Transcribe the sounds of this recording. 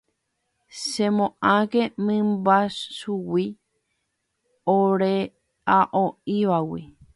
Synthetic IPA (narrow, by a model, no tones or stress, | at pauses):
sẽmõʔãɡemɨ̃mbasʃuwi | oɾe | aʔõiʋawi